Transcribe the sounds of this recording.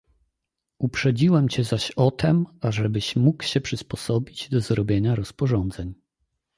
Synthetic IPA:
upʂɛd͡ʑiwɛmt͡ɕɛzaɕɔt̪ʰɛmaʐɛbɘɕmukwɕɛpʂɘspɔsɔbʲid͡ʑd̪ɔzɾɔbʲjeɲaɾɔspɔʐɔnd̪zɛɲ

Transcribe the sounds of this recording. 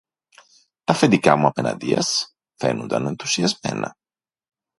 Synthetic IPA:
t̪ɐfend̪ikɐmuɐpe̞nɐ̰nd̪iɐ̰s | fe̞̰nond̪ɐ̰ne̞nθu̥siɐzme̞nɐ

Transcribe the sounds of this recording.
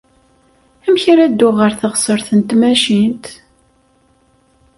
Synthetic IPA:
æmçɾæd̪ːʊʁəɾθəʁsəɾθənt̪mæʃint̪

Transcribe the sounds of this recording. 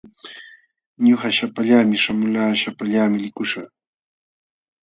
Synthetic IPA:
ɲoχaʃapaʎaːmɪʃamʊlaːʃapaʎamɪlɪkʊʃa

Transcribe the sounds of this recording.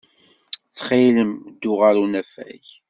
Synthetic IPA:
t͡sːχiləmd̪ːʊʁaɾunæfæ̰ç

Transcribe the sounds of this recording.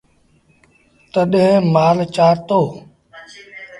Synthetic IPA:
t̪əɗɦẽmaːlt͡ʃaːɾt̪oː

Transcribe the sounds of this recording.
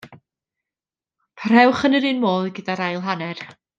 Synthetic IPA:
pʰaɾ̥ɛwχənəɾɨːnmoːlˠiɡədaɾajlˠɦanɛr

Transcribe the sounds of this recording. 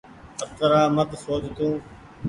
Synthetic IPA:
əp̚t̪əɾaːmət̪soːt͡ʃt̪ũː

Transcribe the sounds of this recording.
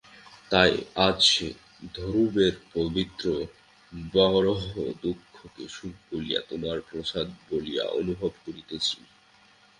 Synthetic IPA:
t̪ajad͡ʑʃʃe | d̪ʱoɾubeɾpobit̪ːɾo | bɔɾoɦod̪ukʰːokḛʃukkolija̰t̪omaɾpɾoʃad̪̚bolija̰ʔo̰nubʱobkoɾit̪et͡ɕʰi

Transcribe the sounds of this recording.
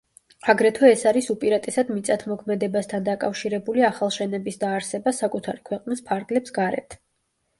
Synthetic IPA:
aɡɾɛt̪ʰwɛːsaɾisupʼiɾat̪ʼɛsad̪mit̪sʼat̪ʰmɔkʰmɛd̪ɛbast̪ʰand̪akʼafʃiɾɛbuliaχalˠʃɛnɛbisd̪aːɾsɛbasakʼut̪ʰaɾikʰwɛqʼnispʰaɾɡlɛpsɡaɾɛ̰t̪ʰ

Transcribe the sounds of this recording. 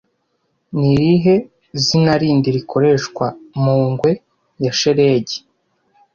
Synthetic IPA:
niɾiɦe̞ | zinaɾiːndiɾikʰo̞ɾe̞ʃkwamuːŋɡwe̞ | jaʃe̞ɾe̞ːɟe̥

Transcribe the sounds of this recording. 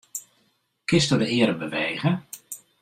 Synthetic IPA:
kɪstədəɪəɾəbəʋeːɣə

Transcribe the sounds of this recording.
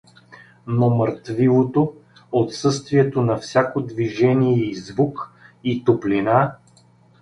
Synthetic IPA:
noməɾt̪vilˠot̪o | ot̪sɤst̪viɛt̪onɐfsʲakod̪viʒɛniɛizvukit̪oplina

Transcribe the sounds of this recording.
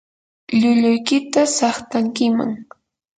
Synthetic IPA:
ʎʊʎʊjkɪt̪asɑχt̪aŋkɪma̰ŋ

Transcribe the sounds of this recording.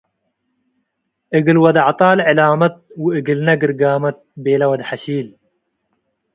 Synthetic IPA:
ʔɨɡɨlwɐd̪ʕt̪ˤɑːlʕɪlaːmɐt̪̚wɨɡɨlnɐɡɨɾɡaːmɐt̪̚beːlɐwɐd̪ħaʃiːl

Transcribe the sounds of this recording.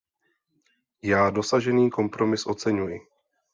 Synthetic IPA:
jaːdo̞saʒɛniːko̞mpɾo̞mɪsʔo̞t͡sɛɲujɪ

